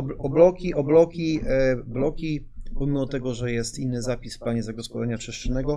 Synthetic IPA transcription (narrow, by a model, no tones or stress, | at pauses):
ɔblɔkʲiʔɔblɔkʲiblɔkʲipɔmʲimɔt̪ɛɡɔʐɛjɛst̪inːɘzapʲisfplaɲɛzaɡɔspɔlɛɲat͡ʂɘʂt͡ʂɛnɛɡɔ